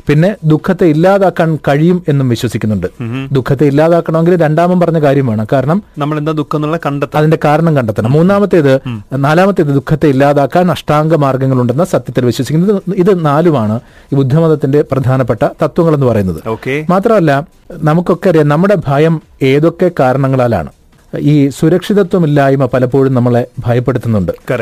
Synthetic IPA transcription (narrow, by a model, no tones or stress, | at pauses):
pinːe̞d̪ukʰːɐt̪ːe̞ilːaːðaːkːaːnkɐɻijume̞nːumʋiɕwɐsikʲːunːuɳɖɨd̪ukʰːɐt̪̬ːeilːaːðaːkːɐɳɐmeŋɡilɾe̞ɳɖaːmɐmpɐrɐɲːɐkaːɾjɐmʋeːɳɐkaːɾɐɳɐmnɐmːɐɭend̪aːd̪ukʰːɐnːuɭːɐkɐɳɖɐt̪ːɐɐðinde̞kaːɾɐɳɐmkɐɳɖɐt̪ːɐɳɐmːuːnːaːmɐt̪ːeiðɨnaːlaːmɐt̪ːeiðɨd̪ukʰːɐt̪ːe̞ilːaːðaːkːaːnɐʂʈaːŋɡɐmaːrɡɐŋːɐɭuɳɖe̞nːɐsɐt̪jɐt̪ːilʋiɕwɐsikʲːunɐðɨiðɨnaːlumaːɳɨ | iːbud̪ʱːɐmɐðɐt̪ːinde̞prɐd̪ʱaːnɐpːeʈːɐt̪ɐt̪wɐŋːɐɭe̞nːɨpɐrɐjunːɐðɨoːkemaːt̪rɐmɐlːɐ | nɐmukːo̞kːeɐɾijɐnɐmːuɽe̞bʱaːjɐm | e̞ːðo̞kːe̞kaːɾɐɳɐŋːɐɭaːla̰ːɳɨ̰ | iːsuɾɐkʂiðɐt̪wɐmilːaːjumɐpɐlɐpːo̞ːɻumnɐmːɐɭebʱɐjɐpːe̞ɽut̪ːunːuɳɖɨkɐɾ